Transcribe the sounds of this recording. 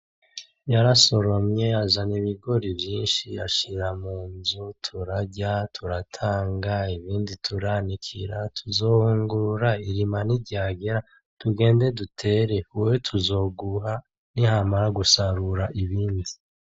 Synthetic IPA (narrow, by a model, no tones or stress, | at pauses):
jaɾaso̞ɾo̞mɲe̞azaniβiɡo̞ɾivjiːnʃia̰ʃiɾamuːnzutʰuɾaɟatʰuɾatʰaːŋɡaiβiːnditʰuɾanikʰḭɾatʰuzo̞ːhuːŋɡuɾaiɾimaniɾɟaːɡe̞ɾa | tuɡe̞ːnde̞dutʰe̞ɾe̞uwetʰuzo̞ːɡuɦa | nihamaɾaɡusaɾuɾaʔiβiːndi